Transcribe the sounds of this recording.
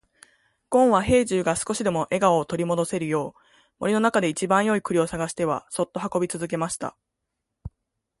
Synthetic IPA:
ɡ̥õ̞ɰ̃βaɦe̞ːʑɨːɡasɨ̥ko̞ɕid̪e̞mo̞ʔe̞ɡaoːt̪o̞ɾʲimo̞d̪o̞se̞ɾɯ̟jo̞ː | mo̞ɾʲino̞nakad̪e̞it͡ɕibãɰ̃jo̞ikɯ̟ɾʲio̞saɡaɕi̥t̪e̞βa̰so̞t̪ːo̞ɦako̞bʲit͡sɨzɨk̬e̞maɕi̥t̪a̰

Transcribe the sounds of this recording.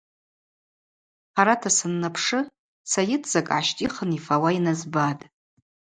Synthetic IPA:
ħaɾatʰasɨnːapʰʂɨ | sajɪtʰʼz̥akʼʕaʃtʼiχənifawainazbatʼ

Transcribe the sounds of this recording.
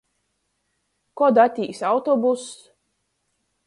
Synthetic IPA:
kɔd̪at̪ʲiːsawt̪ɔbus

